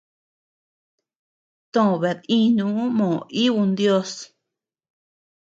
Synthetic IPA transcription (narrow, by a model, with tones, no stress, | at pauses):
t̪õ˦˨βe˨ðĩ˦˧ɲũ˧˦mõ˨ʔi˦βu˧nd̪jo˦s